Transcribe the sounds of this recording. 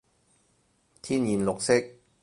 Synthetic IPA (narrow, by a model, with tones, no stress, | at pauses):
t̪ʰiː˥njiː˨mlʊ˨k̚sɪ˥k̚